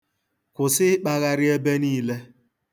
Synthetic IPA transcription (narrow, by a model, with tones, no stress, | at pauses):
kʊ˨sɪ˦ɪ˦k͡pa˦ɣa˦ɾɪ˦e˦be˦niː˦le˦